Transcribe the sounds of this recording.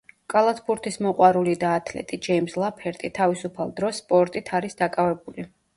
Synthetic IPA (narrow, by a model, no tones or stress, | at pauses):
kʼalˠat̪ʰbuɾt̪ʰismɔqʼwaɾulid̪aːt̪ʰlɛ̰t̪ʼid͡ʒɛimslˠapʰɛɾt̪ʼit̪ʰavisupʰalˠd̪ɾɔsːpʼɔɾt̪ʼit̪ʰaɾisd̪akʼavɛbuli